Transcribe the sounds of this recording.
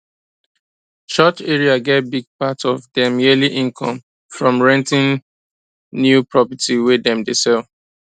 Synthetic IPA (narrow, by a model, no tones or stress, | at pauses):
t͡ʃɔt͡ʃɛɹiaɡɛt̚biɡ̚patɔvdɛmɛliʔĩnkʰɔ̃m | fɹɔ̃mɹɛ̃ntĩn | njupɹɔpətiwedɛ̃mdesɛl